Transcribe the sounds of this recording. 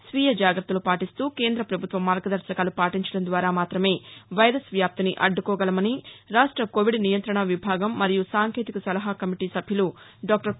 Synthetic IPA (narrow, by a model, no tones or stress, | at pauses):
sʋiːjɐd͡ʒaːɡɾɐt̪ːɐlupaːʈist̪uːke̞ːnd̪ɾɐpɾɐbʱut̪ʋɐmːaːɾɡɐd̪ɐɾsɐkaːlupaːʈiɲt͡ʃɐɽɐnd̪ʋaːɾaːmaːt̪ɾɐme̞ːʋɐjɾɐsʋjaːp̚t̪iniʔɐɖːukɔːɡɐlɐmɐniɾaːʂʈɾɐkoːʋiɖnijɐnt̪ɾɐɳɐʋibʱaːɡɐmːɐɾijusaːŋkʰeːt̪ikɐsɐlɐɦakɐmiʈiːsɐbʱjulu | ɖaːk̚ʈɐɾ